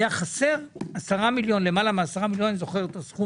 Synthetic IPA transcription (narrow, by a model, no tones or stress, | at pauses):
jaχase̞ʁasaʁamiljo̞nle̞malameasaʁamiljonzo̞χe̞ʁet̪osχu